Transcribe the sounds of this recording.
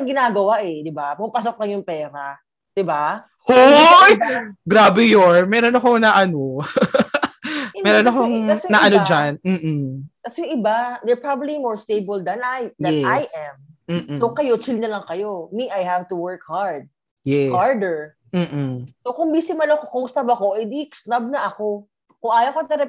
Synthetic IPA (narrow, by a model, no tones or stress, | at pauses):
ɐɡɪnaːɡɐwaʔɛd̪ɪbapʊmpas̬ok̚lɐŋjʊŋpɛːɾɐ | d̪̥ɪba | ho | ɡɾaːbɛjoɹmɛːɾonɐkonɐʔɐno | mɛːɾonɐkoŋɐsnɐʔɐnod͡ʒanm̩ːʔt̪ɐsjʊŋʔɪbad̪ɛɹpɹabɐblimɔɹst̪ejbɐld̪ɐnajd̪ɛnajʔɛm̩ːsowkɐjo̞t͡ʃilnɐlɐŋkɐjo̞miʔajhavt̪uwɛɹkhaɹd̪̚ | jɛhaɹd̪ɛɹ | m̩ːʔsokʊŋbisɪmɐlokokoŋʊst̪ɐbɐkoʔɪd̪iksnɐb̚nɐʔɐko̞ | kʊŋʔaːjɐkonɐɾɛ